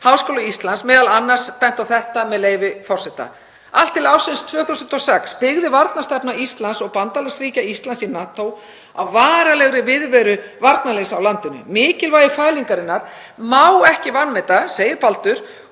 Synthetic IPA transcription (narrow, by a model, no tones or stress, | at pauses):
hawskoːwlaist̪lansmɛːðalanːar̥spɛn̥t̪awθɛht̪amɛðleːjvɪfɔr̥sɛht̪a̰ | al̥t̪ʰːɪlawsɪnst̪ʰvœːθusʏnt̪ɔsɛkspɪɣðɪvaɾt̪nast̪ɛpnaist̪lansɔɣpant̪alɛxsviːcaist̪lansinaːt̪ow | a̰wvaːɾalɛɣɾɪvɪðvɛːɾʏvaɾt̪nalejsawlant̪ʏnːʏ̰mɪːcɪlvaːjɪfaːjliŋkaɾɪnːaɾ̥ | mawɛhcɪvanmɛt̪aseːjɪɾpalt̪ʏɾ̥